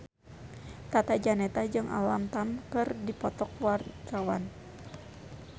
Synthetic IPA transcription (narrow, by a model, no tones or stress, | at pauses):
t̪at̪ad͡ʒanɛt̪ad͡ʒɨŋʔa̰lamt̪amkɨrdipɔt̪ɔk̚wart̪awa̰n